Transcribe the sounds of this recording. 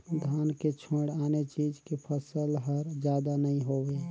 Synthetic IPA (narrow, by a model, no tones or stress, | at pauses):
d̪ʱaːnket͡ʃʰõɽaːnet͡ʃid͡ʒkepʰəsəlɦəɾd͡ʒjaːd̪anəɦĩɦoːwe